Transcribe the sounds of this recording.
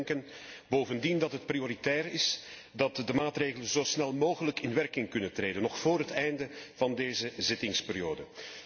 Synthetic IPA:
ŋkən | boːvəndindɑtɦət̚prioɾitɛːrɪs | dɑtdəmaːtreːɣələnzoːsnɛlˠmoːɣələkɪnʋɛrkɪŋkɵnətreːdənɔxfoːɾɦətɛjndəv̥ɑndeːzəzɪtɪŋspɪɾjoːdə

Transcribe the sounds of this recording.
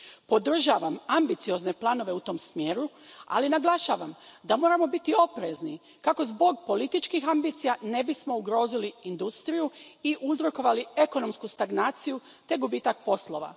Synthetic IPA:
po̞d̪r̩ʒaʋamambit̪sijo̞zne̞plˠano̞ʋe̞ut̪o̞msmje̞ːɾu | a̰linaɡlˠaʃaːʋamd̪amo̞ːɾamo̞bit̪io̞pɾe̞zni | kako̞zbo̞ɡpo̞lit̪it͡ʃkixambiːt̪sijane̞bismo̞uɡɾo̞ːziliind̪ust̪ɾijuiʔuzɾoko̞ʋalie̞ko̞no̞mskust̪aɡnaːt̪siju | t̪e̞ɡubiːt̪ak̚po̞slˠo̞ʋa̰

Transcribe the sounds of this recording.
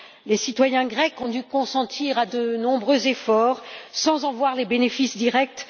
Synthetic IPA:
lesit̪wajɛ̃ɡʁɛkɔ̃d̪ykɔ̃sɑ̃t̪ʰiʁad̪ənɔ̃bʁøzefɔʁsɑ̃zɑ̃vwaʁlebenefisd̪iʁɛk̚t̪

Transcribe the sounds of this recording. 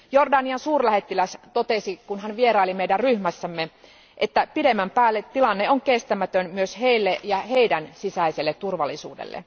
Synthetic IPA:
jordɑniɑnsuːrlæhe̞t̪ːilæst̪ot̪esikunɦænʋie̞ɾɑilimeijdærryhmæsːæmːe | ʔet̪ːæpidemːæmpæːlːet̪tːilɑnːeoŋkest̪æmæt̪ønmyøshe̞ilːeʔjɑheidænsisæiselːet̪ːurʋɑlːˑisṵːdḛlːḛ

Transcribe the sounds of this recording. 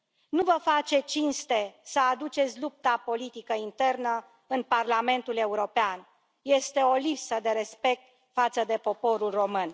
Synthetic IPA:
nuvəfat͡ʃe̞t͡ʃinst̪e̞səad̪ut͡ʃe̞t̪sʲlup̚t̪apo̞lit̪ikəint̪e̞rnə | ɨnparlame̞nt̪ule̞uɾo̞pean | je̞st̪e̞o̞lipsəd̪e̞ɾe̞spe̞k̚t̪ | fat̪səd̪e̞po̞po̞ɾulro̞mɨn

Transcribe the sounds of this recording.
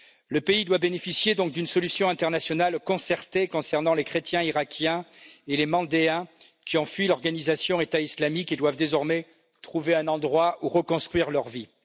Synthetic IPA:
ləpeid̪wabenefisjed̪ɔ̃k̚d̪ynsɔlysjɔ̃ɛ̃t̪ɛʁnasjɔnalkɔ̃sɛʁt̪ekɔ̃sɛʁnɑ̃lekχet̪jɛ̃iʁakʲʰjɛ̃elemɑ̃d̪eɛ̃ | kʲiɔ̃fɥilɔʁɡanizasjɔ̃et̪aislamiked̪wavd̪ezɔʁmɛ | t̪χuveɛ̃nɑ̃d̪ʁwaʔuʁəkɔ̃st̪χɥiʁlœʁvi

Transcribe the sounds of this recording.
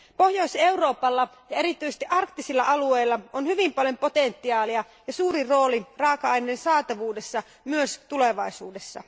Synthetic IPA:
po̞hjo̞ise̞uro̞ːpɑlːɑ | jɑeɾit̪ːˑyjsest̪iʔɑrkt̪ːisilːɑʔɑlueilːɑonhyʋimpɑljo̞mpo̞t̪ent̪ːiɑːliɑ | jɑsuːɾiro̞ːlirɑːkɑɑjnensɑːt̪ɑʋuːde̞sːɑ | myøst̪uleʋɑisuːdesːɑ̰

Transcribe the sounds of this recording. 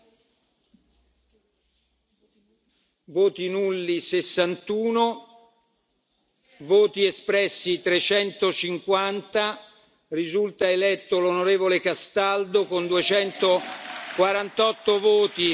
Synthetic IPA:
voːt̪inulːisesːant̪uːno | voːt̪iespɾɛsːit̪ɾet͡ʃɛnt̪ot͡ʃiŋkwant̪a | rizult̪aelɛt̪ːolonoɾeːvolekast̪ald̪okond̪uet͡ʃɛnt̪okwaɾant̪ɔt̪ːovoːt̪i

